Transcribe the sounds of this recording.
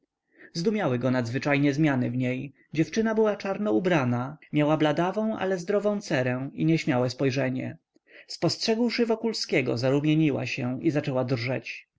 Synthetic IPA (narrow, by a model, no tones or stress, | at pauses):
zd̪umʲjawɘɡɔnad̪zvɘt͡ʂajɲɛzmʲjanɘvɲej | d͡ʑɛft͡ʂɘnabɘwat͡ʂaɾnɔubɾanamʲjawablad̪avɔ̃w̃a̰lɛzd̪ɾɔvɔ̃w̃t̪sɛɾɛ̃iɲɛɕmʲjawɛspɔjʐɛɲɛ̰ | spɔstʂɛɡwʂɘvɔkulskʲɛɡɔ̰zaɾumʲjeɲiwa̰ɕɛizat͡ʂɛwad̪rʐɛt͡ɕ